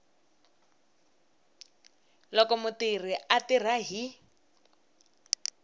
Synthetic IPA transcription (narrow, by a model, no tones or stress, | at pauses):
lɔkɔmʊtir̤iatir̤aɦi